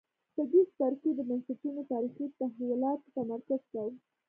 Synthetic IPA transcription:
t̪əd̪ist̪aɾked̪əmansit̪unot̪ɑɾixit̪aɦlilɑt̪t̪amaɾkazkawə

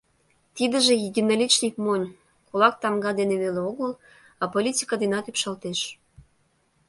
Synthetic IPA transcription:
t̪id̪ə̆ʒĕjid̪ʲenolʲit͡ɕnʲikmonʲ | kolɑk̚t̪ɑmɡɑd̪eneβeleoɣəl | ɑpolʲitʲi̥kəd̪inɑt̪ypʃɑlt̪eʃ

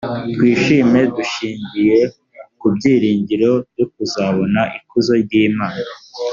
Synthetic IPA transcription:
twiːʃiːme̞duʃiːɲɟije̞ | kubɟiːɾiːɲɟiɾo̞bjok̚uzaβo̞naʔikuzo̞ɾɟiːmaːna

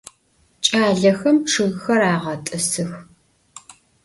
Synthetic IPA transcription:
t͡ʃʼaːɮɐxɐmʈ͡ʂʰɨɣxɐraːʁɐtʼɐsɨx

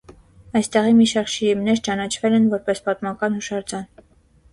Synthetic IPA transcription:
ɑjst̪ɛʁimiʃɑɾkʃiɾimnɛɾt͡ʃɑnɑt͡ʃʰvɛlɛnvɔɾpɛspɑt̪mɑkɑnhuʃɑɾd͡zɑn

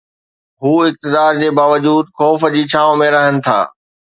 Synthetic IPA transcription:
ɦuːɪk̚t̪ɪd̪aːɾd͡ʑeːbaːʋəd͡ʑuːd̪xɔːfəd͡ʑiːt͡ɕʰaːʋõmẽɾɐɦənɪ̆t̪ʰa̰ː

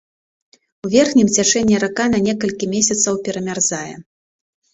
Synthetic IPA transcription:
uvʲɛrxnʲimt͡sʲat͡ʂɛnʲːɛɾakanɐnʲɛkɐlʲkʲimʲesʲɐt̪sɐwpʲɛɾɐmʲarzajɛ̰

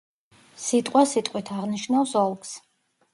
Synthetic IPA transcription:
sit̪ʼqʼwasit̪ʼqʼwit̪ʰaʁniʃnasɔlˠks

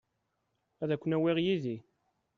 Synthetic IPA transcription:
æðækʷːənæwiʁjiði

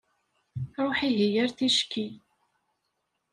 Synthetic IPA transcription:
ɾˤoħiɦijaɾθiʃki

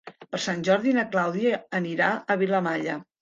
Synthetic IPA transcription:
pəɾsanʲʒɔɾðinəklawðiəːniɾaəβ̞iləmaʎə

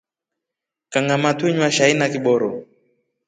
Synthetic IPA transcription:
kaŋamatwiɲwaʃainakiɓɔɾɔ

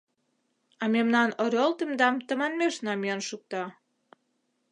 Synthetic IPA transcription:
ɑmemnɑnoɾʲolt̪emd̪ɑmt̪ə̆mɑnmeʃnɑmiənʃuk̚t̪ɑ

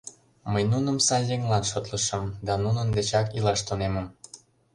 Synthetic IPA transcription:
məjnunəmsɑjːeŋlɑnʃot̪ləʃəmd̪ɑnunənd̪et͡ɕɑkilɑʃt̪oneməm

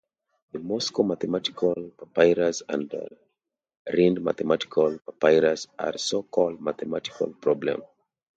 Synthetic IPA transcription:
ðəmɔskomaθɛmati̥kʰalpapaɪɹasã̰nd̰ | ɹĩndma̰θɛmati̥kʰalpapaɪɹasa̰ɹsokʰɔld̚maθɛmati̥kʰa̰lpʰɹɔblɛ̰̃m

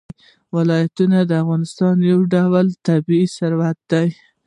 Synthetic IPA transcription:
wɪlɑjat̪unad̪əafɣɑnɪst̪ɑnjawɖawlt̪abiisaɾwat̪̚d̪aj

